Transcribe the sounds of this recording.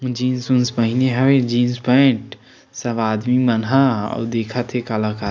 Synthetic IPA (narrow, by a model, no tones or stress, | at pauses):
d͡ʒiːnsunspəɦineɦəwed͡ʒinspəɪɳʈ | səbad̪mimənɦaɔ̰d̪ekʰət̪ʰɦekaləka